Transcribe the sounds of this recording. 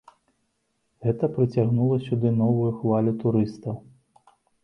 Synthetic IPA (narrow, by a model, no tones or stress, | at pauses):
ɣɛt̪ɐpɾɨt͡sʲaɣnulˠɐsʲud̪ɨnɔvujuxvalʲut̪uɾɨst̪ɐw